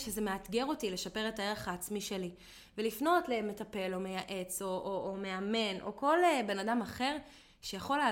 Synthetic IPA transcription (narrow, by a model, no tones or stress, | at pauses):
ʃezemeat̪ɡeʁo̞tileʃape̞ʁetaeʁχaːt͡smiʃeli | velifno̞tleme̞tape̞lo̞me̞jaʔe̞t͡so̞ʔoːme̞ame̞nʔo̞̰ko̞lebe̞nadamaχe̞ʁ | ʃejaχo̞le